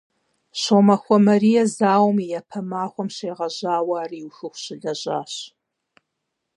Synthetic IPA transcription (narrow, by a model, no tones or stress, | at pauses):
ɕoːmɐxʷɔmɐriːjɐzaːwmijɐpʰɐmaːxʷɔmɕeːʁɐʑaːwaːriwxɨxʷɕɪɮɐʑaːɕ